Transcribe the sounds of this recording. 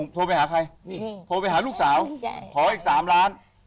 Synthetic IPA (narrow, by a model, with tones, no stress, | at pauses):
ŋt̪ʰoː˧pa˧jhaː˩˦kʰa˧jt̪ʰoː˧pa˧jhaː˩˦luː˥˩k̚saː˩˦wk̪ʰɔː˨˦ʔiː˨˩k̚saː˩˦mɾaː˦˥n